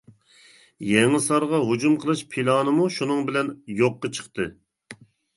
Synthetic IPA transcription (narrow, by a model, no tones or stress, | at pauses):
jɛŋɨsɑɾʁɑɦud͡ʒumqʰəlˠɨʃpʰilˠɑːnɨmuʃunɨŋbɪlɛnjoqːɑt͡ʃʰə̥χt̪ɨ